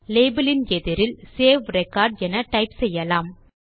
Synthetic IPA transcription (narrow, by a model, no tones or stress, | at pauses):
leːbɐlɪnɛðɪɾɪlseːʋɾɛkːaːɾɖɛnɐʈɐɪpsɛjːɐlaːm